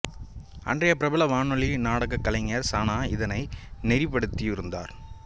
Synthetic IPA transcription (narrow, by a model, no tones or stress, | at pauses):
ɐ̰ndrɐjɐpɪɾɐbɐlɐʋaːɳɔɭinaːɽɐɣɐkːɐlɐŋɐɾsaːnaːɪðɐnɐɪnɛɾɪpːɐɽɯt̪ːijɪɾɯnd̪a̰ːɾ